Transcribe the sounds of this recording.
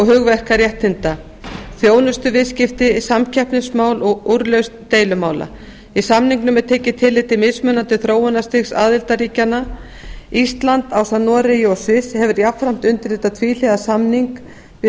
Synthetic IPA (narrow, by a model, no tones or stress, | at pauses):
ɔɣɦʏɣvɛhkaɾjɛht̪hɪnt̪a | θjoːwnʏst̪ʏvɪðscɪft̪ɪsamcʰɛhpnɪsmaːwlɔɣuɾlœɥst̪ːeːjlʏmaːwla̰ | isamniŋknʏmɛðt̪ʰeːcɪt̪ʰɪlːɪt̪ɪmɪðsmœnant̪ɪθɾoːwʏnast̪ɪxsa̰ːðɪlt̪aɾiːcanːa | ist̪lant̪awsanɔɾɪjɔsɪshɛvʏɾjapfɾam̥t̪ʏnt̪ɪɾ̥θɛht̪ːat̪ʰviːlɛðasamniŋk | vɪ